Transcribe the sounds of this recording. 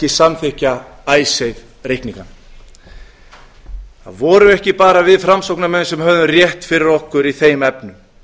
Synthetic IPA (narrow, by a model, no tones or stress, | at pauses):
ɪsamθɪhca | aːjsejð | rejkniŋkan | θa̰ðvɔːɾʏɛhcɪpaːɾavɪðfɾamsowknamɛnsɛmhœvðʏrjɛht̪fɪɾɪɾɔhkʏɾiθejmɛpnʏm